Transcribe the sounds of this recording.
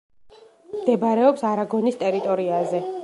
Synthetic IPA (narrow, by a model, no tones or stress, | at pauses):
md̪̥ɛbaɾɛɔpsaɾaɡɔnist̪ʼɛɾit̪ʼɔɾiazɛ